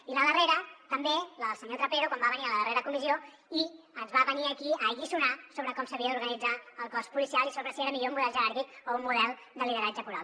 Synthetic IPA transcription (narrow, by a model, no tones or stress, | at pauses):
iləðəreɾət̪əmbeləlˠsəɲot̪ɾəpeɾukwambaβəniələðəreɾəkumizio | i | əzβaβəniəkiəːɣisunasoβɾəkɔmsəβiəðuɾɣənid͡zaəlˠkɔspulisialˠisoβɾəsieɾəmiʎoumuðɛlˠʒəɾaɾðikoumːuðɛlˠ | d̪əliðəɾad͡ʒəpuɾal